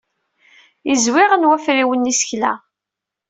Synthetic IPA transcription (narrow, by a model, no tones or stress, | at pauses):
izwɪʁənwæfɾiwənːisçlæ̰